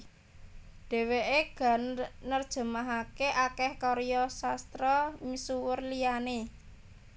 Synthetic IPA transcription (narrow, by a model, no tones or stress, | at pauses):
ɖ̥e̤weʔeɡ̥a̤nnərd̥ʒ̥ə̤maɦakeʔakɛhkɔɾijɔsast̪ɾɔmisuwʊrlijane